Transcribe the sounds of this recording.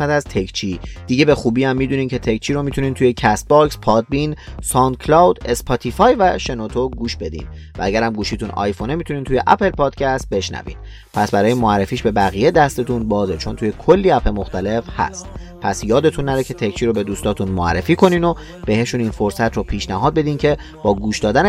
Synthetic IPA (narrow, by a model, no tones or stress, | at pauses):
æt̪æzt̪ʰekʰt͡ʃʰiːd̪̥iːɟe̞be̞xuːbiːæmːiːd̪uːnimcʰe̞t̪ʰekt͡ʃʰiːɾomit̪ʰuniːnt̪ʰuje̞cʰæst̪̚bɒːkspʰɒːd̪̚binsɒnd̪̚kʰlɒwd̪e̞spʰɒt̪ʰifɒːjvæʃe̞not̪ʰoɡuːʃbe̞d̪ḭn | vææɟæɾæmɡuːʃiːt̪unɒ̰jfo̞nemit̪ʰunint̪ʰuje̞ʔæpʰe̞lpɒːd̪̥cʰæst̪̚be̞ʃnæ̰vḭd̪̥ | pʰæsbæɾɒːjemoærːefiːʃbe̞bæɣijed̪æst̪e̞t̪ʰunbɒːzet͡ʃʰo̞nt̪uːje̞kʰo̞lːiːæpʰe̞mo̞xt̪ʰæle̞fhæ̰st̪ | pʰæsjɒːd̪e̞t̪ʰunːæɾecʰe̞t̪ʰekt͡ʃʰiːɾobe̞d̪uːst̪ɒːt̪ʰunmoæ̰rːefiːkʰo̞nino | b̥ehe̞ʃuniːnfo̞ɾsæt̪ʰɾopʰiːʃnæɦɒːd̪̚be̞d̪iːncʰe̞ | b̥ɒːɡuːʃd̪ɒːd̪æn